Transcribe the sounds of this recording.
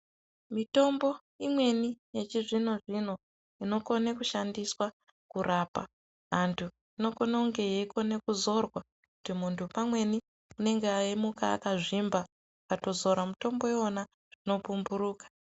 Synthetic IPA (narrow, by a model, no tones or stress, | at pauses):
mito̞mbo̞ | imwe̞nije̞t͡ʃiʐino̞ʐin̤o̞ | ino̞ko̞nekuʃandiswa | kuɾaːpa̰ | ɦantʰu | ino̞ko̞nauŋɡe̞jeiko̞ne̞kuzo̞rwa | kutimuntʰupamwe̞ni | une̞ŋɡeaimuka̰ːkaʐimba | akato̞zo̞ɾamuto̞mbo̞eona | ʐ̥ino̞pumbuɾuːkḁ